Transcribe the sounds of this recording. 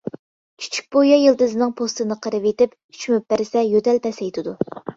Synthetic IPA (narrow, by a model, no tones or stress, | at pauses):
kʲʰy̥t͡ʃʰy̥k̚ʲbojɑjilˠd̪ɨzɨnɨŋpʰost̪ɨnɨqʰəɾɨvet̪ɪp | y̥t͡ʃʰymyp̚bæɾɪsɛjøt̪ɛlpʰɛsɛjt̪ʰɪd̪u